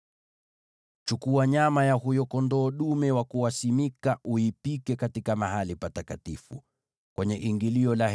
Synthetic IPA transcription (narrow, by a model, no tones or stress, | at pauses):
t͡ʃukuaɲamajahujɔkɔndɔːɗumɛwakuwasimikaʔuipikɛkatikamaɦalipatakatifu | kwɛɲɛʔiŋɡiliɔla